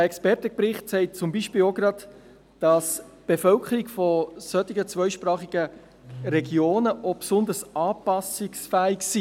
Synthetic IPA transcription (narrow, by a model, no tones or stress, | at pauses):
əɛkspɛrtəpɾɪχtsɛɪt̚t͡sʊmbiːʃpɪːloɡɾɑd | d̥ɑsb̥efœlkʰəɾikfɔsœt̪iɡət͡svœʏʃpɾɑːχiɡ̥ə | ɾɛɡjoːnəʔopsʊndəɾsɑːpɑsɪksfæːɪksi